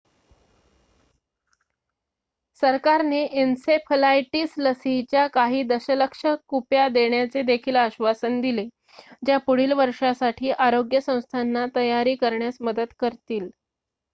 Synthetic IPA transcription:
səɾkaɾneʔensepʰəlajʈiːsləsit͡ɕjakaɦiːd̪əɕələkʂəkupjad̪eɳjat͡sed̪ekʰiːləɕʋasənd̪ile | d͡ʑjapuɽ̤iːlʋəɾʂasaʈʰiːʔaɾoɡjəsə̃w̃st̪ʰanːat̪əjaɾiːkəɾɳjasməd̪əd̪kəɾt̪iːl

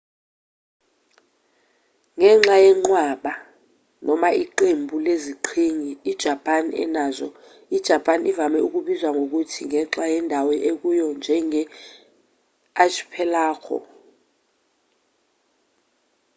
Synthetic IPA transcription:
ŋɛŋ͡ǁajɛŋ͡ǀwaɓa | nʔɔmaʔiǃembʱuleziǃʰiŋiːd̥ʒ̥ʱapʼanɛ̰nazɔ | id̥ʒ̥ʱapʰʼanivamɛuk̬uɓizwaŋʱok̬utʰiŋʱɛǁajɛndʱawɛʔek̬ujɔnd͡ʒʱɛŋɛ | aʃʰi̥pʰɛlaːkʰɔ̰

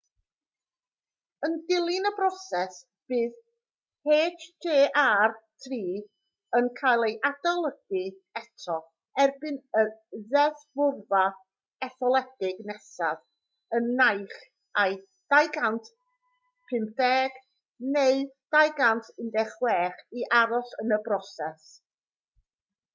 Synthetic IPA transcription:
əndɪlˠɪnəbrɔsɛs | b̥ɨːð | heːdd͡ʒeːʔartʰriː | ənkʰajlˠejʔadalˠəɡi | ɛtʰɔ | ɛrbɪnəðɛðvʊrva | ɛθɔlˠɛdɪɡnɛsað | ənːajχ | aj | d̥ajɡantʰ | pʰɨmθɛːɡ̥ | neɨd̥ajɡantʰɪndɛχwɛːχiʔaɾɔɬənəbrɔsɛs

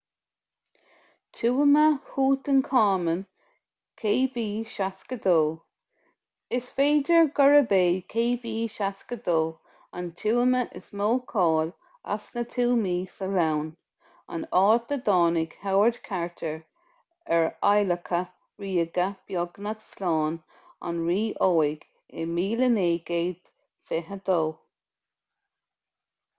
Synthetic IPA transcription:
t̪ʰuːəməhuːt̪ənkʰɑːmən | kʰeːbiːʃaskəd̪oː | ɪsfeːdəɹɡɔɹəbeːkʰeːbiːʃaskəd̪oː | a̰nt̪ʰuːəməʔɪ̰smoːkʰɔːl | a̰snət̪ʰuːmiːsəlawn | a̰nɑːt̚d̪əd̪ɑːnɪɡ̥hawəɹd̪kʰaɹt̪ʰəɹ | ɛɹajləkʰə | ɹiːəɡəb̥jɔɡnət̪slɑːn | a̰nɹiːʔoːɪɡ̥ | ɪmiːləneːɡeːd̪̥ | fɪɦəd̪oː

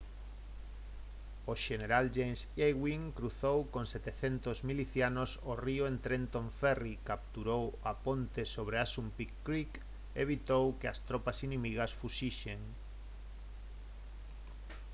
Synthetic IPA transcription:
oʃeneɾald͡ʒensejɣwiŋkɾuθowkõŋset̪eθent̪ozmiliθjanosorioent̪ɾent̪õɱfɛrikap̚t̪uɾowapõnt̪esoβ̞ɾeasumpikːɾik | eβ̞it̪owkeast̪ɾopasinĩmiɣ̞asfuʃiʃeŋ

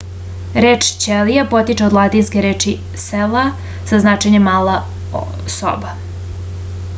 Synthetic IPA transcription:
ɾeːt͡ʂt͡ɕelijapo̞t̪it͡ʃeod̪lˠat̪inskʲeɾeːt͡ʃi | sela | z̥aznat͡ʃeɲemːaːla | so̰ba

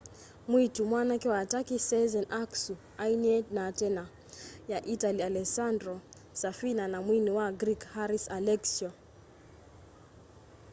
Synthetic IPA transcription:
mwitumwanakɛwatakisɛzɛnʔaksu | ainiɛtnatɛna | jaʔitalialɛsandɾɔ | safinanamwiniwaɡɾikhaɾisalɛksiɔ

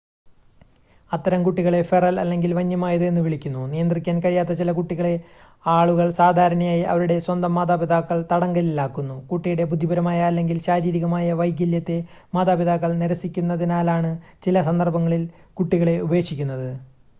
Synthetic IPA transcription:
ɐt̪ːɐɾɐmkuʈːiɣɐɭe̞ferɐlɐ̰lːe̞ŋɡilʋɐɲːɐmaːjɐðɨenːɨʋiɭikʲːunːunijɐnd̪rikʲːaːnkɐɻijaːt̪ːɐt͡ɕilɐkuʈːiɣɐɭe̞ | aːɭuɣɐɭsaːd̪ʱaːɾɐɳɐjaːjiʔɐ̰ʋɐɾuɽe̞swɐnd̪ɐmːaːd̪aːbid̪aːkːɐɭt̪ɐɽɐŋɡɐlilːaːkːunːukuʈːijuɽe̞bud̪ʱːibɐɾɐmaːjɐːlːe̞ŋɡilɕaːɾiːɾiɣɐmaːjɐʋɐjɡɐljɐt̪ːe̞ | maːd̪aːbiðaːkːɐɭneɾɐsikʲːunːɐðinaːlaːɳɨt͡ɕilɐsɐnd̪ɐrbɐŋːɐɭilkuʈːiɣɐɭe̞ube̞ːkʂikʲːunːɐðɨ

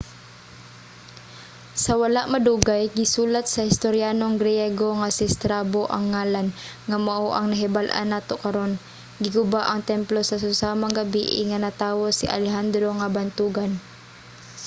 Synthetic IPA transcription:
sɐwalaʔmɐd̪uːɡajɡɪsuːlat̪̚sɐhɪst̪oɾjaːnoŋɡɾɪjɛɡoŋasɪst̪ɾaboʔaŋːaːlanŋamaʔoʔɐŋnɐɦɪbalʔa̰nːaːt̪okɐɾo̞n | ɡɪɡʊbaʔɐŋt̪ɛmplosɐs̬ʊsaːmaŋɡabiʔɪ̰ŋanat̪aːwosɪʔa̰lɛɦand̪ɾo̞ŋabant̪uːɡan

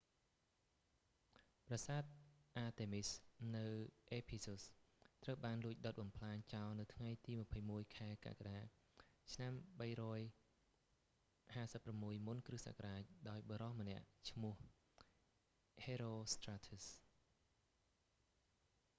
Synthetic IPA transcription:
prɑsaːt̪̚ʔaːt̪eːmisnɨwʔeːpʰisust̪rəwɓaːnluəc̚ɗot̪̚ɓɑmpʰlaːɲt͡ɕaɔlnɨwt̪ʰŋajt̪iːmə̆pʰəjmuəjkʰaɛka̰kaɗaː | t͡ɕʰnamɓəjrɔːj | haːsəpːramːuəjmunkrɨhsa̰ːkaɗaːc̚ɗaɔjɓɑɾɑhmə̆nɛ̆əʔt͡ɕʰmʊ̆əh | heːɾoːst̪raːt̪ʰus

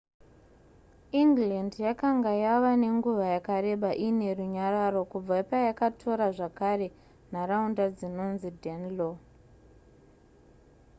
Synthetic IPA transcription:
iŋɡlandjakaŋɡajaʋane̞ŋɡuʋajakare̞ɓaʔine̞ruɲaɾaro̞kub͡vapajakatʰo̞ɾaʐakare̞ | naraundad͡zino̞nzidʱenlo

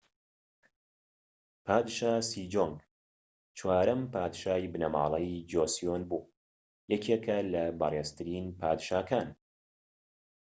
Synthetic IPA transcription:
pʰaːd̪ʃaːsiːd͡ʒoːŋɡ | t͡ʃʰwaːɾɐmpʰaːd̪ʃaːjbɨnɐma̰ːlˠɐjd͡ʒoːsijonbuː | jɛkʰeːkʰɐlɐbɑreːzt̪ʰɨɾiːnpʰaːd̪ʃaːkʰaːn

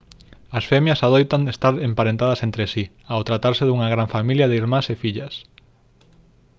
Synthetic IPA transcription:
ɐsfɛmjɐsaðojt̪aŋest̪aɾempaɾẽnt̪að̞ɐsent̪ɾɪsi | awt̪ɾat̪aɾsɪðuŋɐɣɾaɱfamiljaðeiɾmãsefiʎɐs

